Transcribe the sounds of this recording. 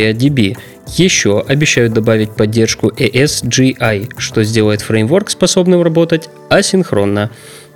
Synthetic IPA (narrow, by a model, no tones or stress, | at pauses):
ədʲɪbʲi | jɪɕːo̞ʔɐbʲɪɕːæjʊt̪̚d̪ɐbavʲɪt̚ʲpɐdʲːe̞rʂkʊʔɛʔɛsʐɨʔajʂt̪o̞zʲdʲe̞lˠəjɪt̪fɾejmvo̞rkspɐso̞bnɨmrɐbo̞t̪ətʲ | ɐsʲɪnxɾo̞nːə